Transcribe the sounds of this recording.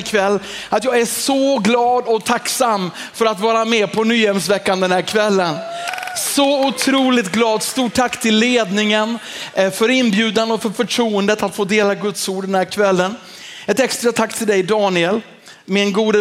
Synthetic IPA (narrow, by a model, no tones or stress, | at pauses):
kʰvɛlː | at̪jɑːɡæʂɔɡlɑːd̪ɔt̪ʰaksamː | fœɾat̪vɑːɾamɛːpʰɔnyːɛmsvɛkːand̪ɛnhæɾkʰvɛlːənsɔʊt̪ʰɾuːlɪt̪ɡlɑːd̪st̪uːʈʰːakːt̪ʰɪlːeːd̪nɪŋənfœɾɪnbjʉ̟ːd̪and̪əɔfœɾfœʈʰɾuːənd̪ət̪at̪foːd̪eːlaɡɵt̪suːɖɛnhæːɾkʰvɛlːən | ɛt̪ɛkst̪ɾat̪ʰakːt̪ʰɪld̪ɛjd̪ɑːnɪɛl | mɪnɡuːd̪ə